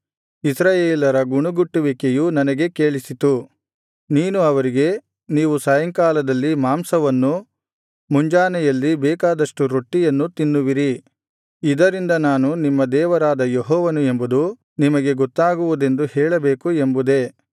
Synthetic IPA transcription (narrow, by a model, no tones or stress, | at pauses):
isɾaːjeːlɐɾɐɡuɳuɡuʈːuʋikejunɐnɐɡe̞keːɭisit̪u | niːnuɐʋɐɾiɡe̞ | niːʋusɐjɐŋkaːlɐd̪ɐlːimaːmsɐʋɐnːu | muɲd͡ʒaːnɛjɐlːibɛːkaːd̪ɐʂʈuɾoʈːijɐnːut̪inːuʋiɾi | id̪ɐɾind̪ɐnaːnunimːɐd̪ɛːʋɐɾaːd̪ɐjeɦɔːʋɐnue̞mbud̪u | nimɐɡe̞ɡɔt̪ːaːɡuʋud̪e̞nd̪uhɛːɭɐbeːkuembud̪e̞